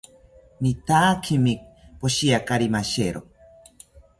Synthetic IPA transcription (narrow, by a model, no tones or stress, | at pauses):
mit̪akʰimipoʃiakaɾimaʃeɾo